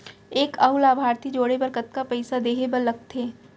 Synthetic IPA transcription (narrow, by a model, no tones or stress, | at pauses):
eːkɐʊlaːbʱaːɾt̪id͡ʒoːɽebəɾkət̪kapɐɪsad̪eːɦebəɾlɐɡ̚t̪ʰeː